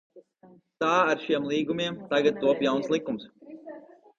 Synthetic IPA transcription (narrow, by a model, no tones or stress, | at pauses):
t̪aːaɾʃiɛmlˠiːɡumʲiɛmt̪aɡat̪̚t̪uɔpjawnslˠikums